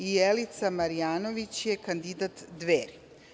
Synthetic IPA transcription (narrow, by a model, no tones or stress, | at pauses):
ijelit̪samaɾijaːnoʋit͡ɕjekand̪id̪at̪d̪ʋeːɾi